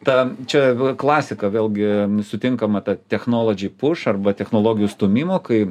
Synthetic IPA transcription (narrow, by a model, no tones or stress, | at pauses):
t̪ɐt͡ʃʲɛklˠɑːsʲɪkɐʋʲeːlʲˠɡʲɪsʊt̪ʲɪŋkɐmɐt̪ɐt̪ʲɛxnoːlˠoːd͡ʒʲɪpʊʃɐrbɐt̪ʲɛxnoːlˠoːɡʲɪjust̪oːmʲiːmoːkɐɪ